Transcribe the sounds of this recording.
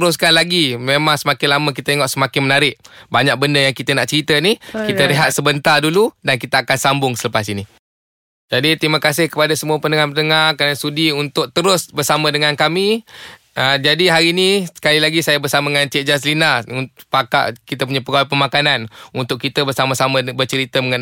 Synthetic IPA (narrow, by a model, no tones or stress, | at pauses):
t̪əɾʊs̬kanlaɡimemãŋsəmakɪnlamək̬it̪at̪eŋɔʔsəmakɪnmənaɾɪʔ̚baɲak̚bəndəjaŋkit̪ənaʔt͡ʃəɾit̪ənihkit̪əliɦat̪̚səbənt̪arduludankit̪əːkansambʊŋsələpasini | d͡ʒadit̪ɾiməkas̬ɪhkəpadasəmuapənəŋarpənəŋarkɾanasudiunt̪ʊk̚t̪əɾʊsbərsamə̃dəŋankami | əd͡ʒadiɦaɾinisə̥kalilaɡisajabərsamadəŋant̪iɛʔ̚d͡ʒas̬linaupaka̰ʔkit̪əp̬uɲapəɡawapəmakananunt̪ʊʔ̚kːit̪əbərsaməsamə̃bərt͡ʃəɾit̪əməŋan